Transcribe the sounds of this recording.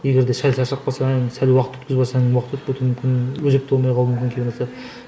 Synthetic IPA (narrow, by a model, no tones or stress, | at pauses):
eɡʲeɾd̪eʃælʲsæʃɾq̚bɑlˠsɑŋsælʲwɑqət̪wɵt̪̚kʲɪzbɑsɑwɑqʰət̪wɵt̪̚køt̪ɾumʏmkʰʲɪnloʒek̚t̪bolˠmɑjqʰɑlˠumʏmkʲɪŋkʲʰenɑsɑ